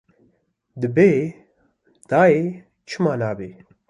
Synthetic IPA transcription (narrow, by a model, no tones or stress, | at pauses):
d̪ɨbeː | d̪̥aːeː | t͡ʃʰɨmaːnaːbeː